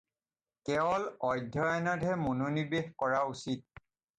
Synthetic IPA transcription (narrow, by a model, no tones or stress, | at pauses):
kɛɔlɔjdʱːɔajnɔtɦɛmonunibexkɔɹausit̚